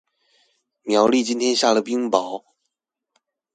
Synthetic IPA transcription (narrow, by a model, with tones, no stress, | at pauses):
mjɑ˨˧˥ʊli˥˨˩t͡ɕi˥nt̪ʰjɛ˥nɕja˥˩lə˨˩pi˥ŋpɑ˨˦ʊ